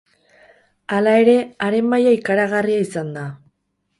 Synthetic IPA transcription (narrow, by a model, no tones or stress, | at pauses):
alae̞ɾe̞aɾe̞majaikaɾaɣariaisand̪a